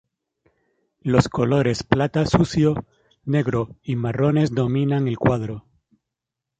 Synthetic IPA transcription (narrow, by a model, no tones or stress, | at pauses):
lo̞sko̞lo̞ɾe̞splat̪asuθjo | ne̞ɣɾoimaro̞ne̞zðo̞mĩnaŋe̞lkwaðɾo̞